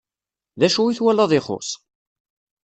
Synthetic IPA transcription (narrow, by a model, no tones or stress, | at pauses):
ðæʃuiθwælæðˤɪχʊ̰sˤ